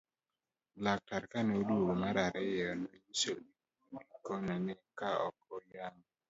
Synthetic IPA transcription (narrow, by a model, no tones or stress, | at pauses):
lak̚taɾkaneoduomaɾaɾɛjɔnojiso | ikonanɛkaɔ̰kɔjaŋ